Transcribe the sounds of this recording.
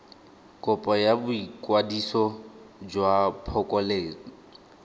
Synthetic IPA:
kʼʊpʼɔjabʊikʼwadisɔd͡ʒwapʰɔkʼɔleːŋ̩

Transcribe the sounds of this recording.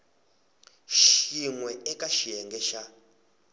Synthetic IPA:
ʃiŋwɛɛkaʃijɛŋɡɛʃa

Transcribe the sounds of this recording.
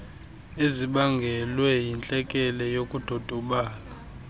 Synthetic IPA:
eziɓaŋɡʱɛlwɛjint͡ɬʼɛkʼɛlɛjokʼud̥ʱod̥ʱɔɓaːla

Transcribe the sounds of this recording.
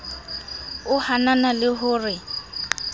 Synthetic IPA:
ʊhananalɪɦʊːrɪ

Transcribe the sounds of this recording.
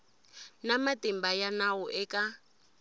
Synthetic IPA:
namatimbajanawɔʔɛkʼa

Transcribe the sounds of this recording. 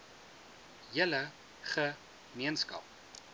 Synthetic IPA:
jələ | χə | miənskɐ̰p̚

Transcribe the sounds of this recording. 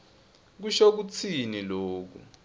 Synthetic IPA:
k̬uʃok̬ut͡sʰiniloːk̬ṵ

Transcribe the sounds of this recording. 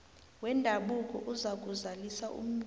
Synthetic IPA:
wɛndʱaɓuk̬ʼɔ̰ʔuzak̬ʼuzalisaʔṵm̩

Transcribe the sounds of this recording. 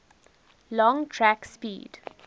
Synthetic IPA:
lɔ̃ŋʈʰɾækspḭːɖ

